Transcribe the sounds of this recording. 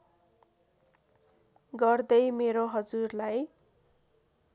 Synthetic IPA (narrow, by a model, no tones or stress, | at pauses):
ɡʌrd̪ʌjmeɾoɦʌd͡zurlaj